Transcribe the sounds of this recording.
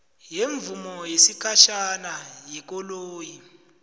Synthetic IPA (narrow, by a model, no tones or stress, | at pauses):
jeɱvumɔjesikʰaʃanajɛk̬ɔloːji